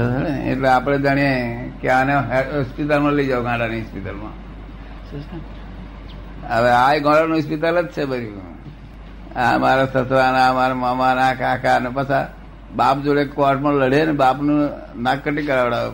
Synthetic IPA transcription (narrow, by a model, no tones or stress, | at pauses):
əəeḛʈleapɽ̃ed͡ʒaɽ̃ijekeaneɦɦɔspit̪̬almãləid͡ʒaʋoɡãːɖaniɔspit̪əlmã̰ | əʋeajɡãɽanũspit̪ələt̪̚t͡ʃʰebəɾi | amaɾasəsɾanamaɾemamanakakʰanepət͡ʃʰa | bapd͡ʒoɽekoaʈ̚pə̃ləɽenebapnũ | nakːəʈikəɾaʋəɽa